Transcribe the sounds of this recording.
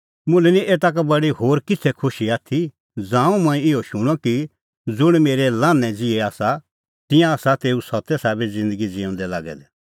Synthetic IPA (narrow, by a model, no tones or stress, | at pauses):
mʊ̃lɛniʔeːt̪̬ak̬abɐɽihoːɾkɪt͡sʰɛkʰʊʃiaːt̪ʰi | d͡zãːũmãːĩɪoʃʊɽ̃ɔki | d͡zʊɽ̃meːɾɛlãːnːɛ̃d͡zɪɛaːsa | t̪ɪjãaːsat̪eːusɐt̪ːɛsaːbɛd͡zɪ̃nd̪əɡid͡zɪɔ̃ːnd̪ɛla̰ːɡɛ̰d̪ɛ